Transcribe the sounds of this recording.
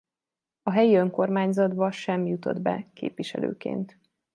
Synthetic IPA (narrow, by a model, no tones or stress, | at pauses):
ɒɦɛjiø̞ŋko̞rmaːɲzɒd̪bɒʃɛmjut̪o̞̰d̪bɛ̰kḛːpʋiʃɛ̰lø̰ːkḛːnt̪